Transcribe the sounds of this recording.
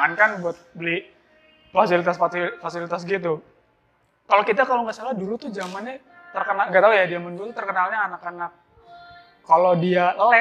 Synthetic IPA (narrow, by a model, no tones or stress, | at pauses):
ŋankanbuat̪̚bəli | fasilit̪asfafasilit̪as̬ɡit̪u | kalokit̪̬akaloŋasalahdulut̪ʊd͡ʒamanɪ | t̪ərkənalŋɡat̪aujadiamandulut̪ut̪ərkənalɲaːnakanak̚ː | alodialəlɛ